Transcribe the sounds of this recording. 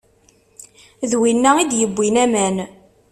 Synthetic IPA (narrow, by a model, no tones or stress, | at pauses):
ðwinːæid̪jəbːinæmæn